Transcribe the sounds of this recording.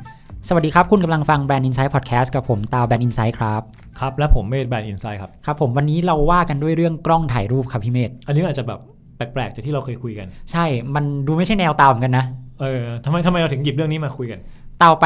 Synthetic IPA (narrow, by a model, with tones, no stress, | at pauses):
sa˨˩wa˩diː˧kʰɾp̚kʰu˧nka˧mla˧ŋfa˧ŋbɛː˧nʔi˧nsaː˦˥jpʰɔː˨˩t̪̚kʰɛː˦˥st̚ka˨˩pʰːo˩˦mt̪aː˧wbɛː˧nʔi˧nsaː˦˥jkʰɾa˦˥p̚ | kʰɾa˦˥p̚lɛ˦˥pʰːo˨˩˦mːeː˥˩t̪̚bɛː˧nʔi˧nsa˦˥jkʰa˦˥p̚kʰa˦˥pʰːo˩˦mwa˧nːiː˦˥ɾa˧wːaː˥˩ka˧ndu˥˩əjɾɯ˥˩əŋkɾɔ˥˩ŋt̪ʰaː˨˩jɾuː˥˩p̚kʰa˦˥pʰːiː˥˩meː˥˩t̪̚ʔa˧niː˧˦˥t͡ɕa˨˩bɛː˨˩pː | ɛː˨˩k̚plɛː˨˩k̚t͡ɕa˨˩t̪ʰiː˥ɾa˧wkʰɤː˧jkʰu˧jka˧nt͡ɕʰa˥˩jma˧nduː˧ma˥˩jt͡ɕʰa˥˩jnɛː˧wt̪aː˧wm˩˦ka˧nːa˦˥ʔɤː˧t̪ʰa˧ma˧jt̪ʰa˧ma˧jɾa˧t̪ʰɯ˩˦ŋji˨˩p̚ɾɯ˥˩əŋniː˦˥maː˧kʰu˧jka˧nt̪aː˧wp